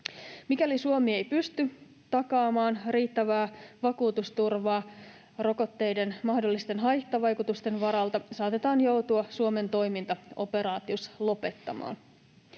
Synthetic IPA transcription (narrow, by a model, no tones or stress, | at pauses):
mikælisuomiejpyst̪y | t̪ɑkɑːmɑːnriːt̪ːæʋæːʋɑkuːt̪ust̪urʋɑː | ro̞ko̞t̪ːe̞jde̞nmɑhdolːist̪e̞nɦɑjht̪ɑʋɑjkut̪ust̪e̞nʋɑɾɑlt̪ɑsɑːt̪e̞t̪ɑːnjo̞wt̪uɑsuo̞me̞nt̪o̞jmint̪ɑo̞pe̞ɾɑːt̪ioslo̞pe̞t̪ːɑmɑ̰ːn